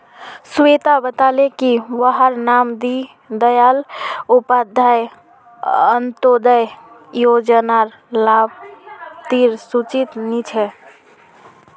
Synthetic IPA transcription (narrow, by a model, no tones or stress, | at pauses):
set̪abət̪alekiʋəɦəɾnamd̪i | d̪əjalupad̪ʱːaj | ənt̪od̪əj | jod͡ʒənaɾ | labt̪iɾsut͡ʃit̪nit͡ʃʰɛ